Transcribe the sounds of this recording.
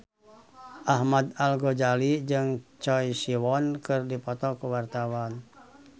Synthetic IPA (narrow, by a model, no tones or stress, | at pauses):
ʔahmad̪alɡɔd͡ʒalid͡ʒɨŋt͡ʃɔjsiwɔnkɨrdipɔt̪ɔkuwart̪awan